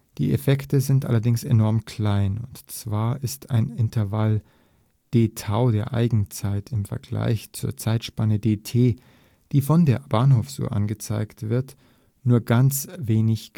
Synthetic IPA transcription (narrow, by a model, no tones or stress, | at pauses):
d̥ḭːʔḛfɛktəzɪntʔa̰lɐdɪŋsenɔɐmkʰl̥aɪnʊntt͡sv̥aːɐʔɪstʰa̰ɪnɪntʰɐval | d̥eːtʰaʊdeːɐʔa̰ɪɡŋ̩t͡saɪtʰɪmfɛ̰ɐɡla̰ɪçt͡suːɐt͡saɪtʃpanədeːtʰeː | d̥iːfɔndeːɐb̥aɐnɦoːfz̥ṵːɐ̰ʔa̰nɡət͡sa̰ɪktv̥ɪɐt | nuːɐɡant͡sveːnɪç